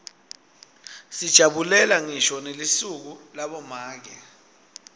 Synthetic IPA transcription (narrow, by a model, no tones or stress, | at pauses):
sid̥ʒ̥ʱaɓulɛlaŋiʃɔnelisuk̬ulaɓɔmaːk̬ɛ